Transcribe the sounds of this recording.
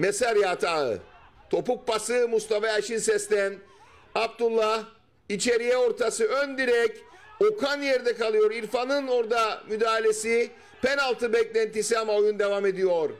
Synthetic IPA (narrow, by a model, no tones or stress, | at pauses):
mesaɾjaːt̪ʰaːɯ̰t̪ʰo̞puk̚pasɯmust̪ʰafaaʃinsɛst̪æn | ab̚t̪ulˠːah | it͡ʃʰe̞ɾijɛo̞ɾt̪ʰasɯønd̪iɾɛc | okʰanjeɾd̪ɛkalˠɯjo̞ɾiɾfanɯno̞ɾd̪amyd̪aːɦilʲesi | pʰenalˠt̪ʰɯbɛclʲænt̪isiamao̞jund̪e̞vame̞d̪ijoɾ